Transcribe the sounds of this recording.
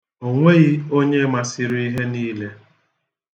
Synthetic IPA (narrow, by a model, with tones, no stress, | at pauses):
o˨ŋʷe˦ɣi˦o˦ɲe˦ma˨sɪ˨ɾi˦ɦe˦niː˦le˦